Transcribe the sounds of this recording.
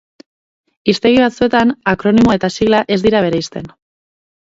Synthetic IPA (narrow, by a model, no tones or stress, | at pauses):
ist̪e̞ɣiβ̞at͡sue̞t̪anakɾo̞nimoe̞t̪asiɣlaʔe̞zd̪iɾaβ̞e̞ɾejst̪e̞n